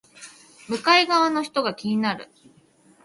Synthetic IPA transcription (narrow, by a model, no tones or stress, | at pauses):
mɯ̟kaiɡaβano̞çi̥t̪o̞ɡakʲiɲ̟inaɾɯ̟̰